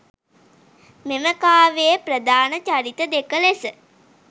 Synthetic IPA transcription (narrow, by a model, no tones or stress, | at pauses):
meməkaːʋejəprəd̪aːnət͡ʃaɾit̪əd̪ekəlesə